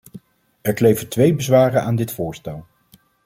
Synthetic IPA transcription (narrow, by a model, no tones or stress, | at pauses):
ɛɹklejvəntʋejbəzʋaːrənʔaːndɪtfʊːɹstɛlˠ